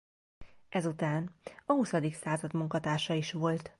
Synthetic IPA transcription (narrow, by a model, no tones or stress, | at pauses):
ʔɛzut̪aːnɒhusɒd̪iksaːzɒd̪muŋkɒt̪aːʃɒiʃʋo̞lt̪